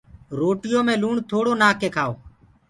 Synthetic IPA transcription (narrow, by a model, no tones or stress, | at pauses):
ɾoːʈɪjõːmẽːluːɳt̪ʰoːɽoːnaːkeːkʰaːo̰ː